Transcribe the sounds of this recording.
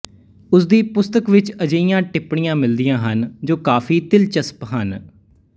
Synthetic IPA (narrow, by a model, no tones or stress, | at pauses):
ʊsd̪iːpʊst̪əkʋɪt͡ʃəd͡ʒəijãːʈɪpɳijãːmɪld̪ijãːɦənd͡ʒoːkaːfʰiːt̪ɪlt͡ʃəspɦən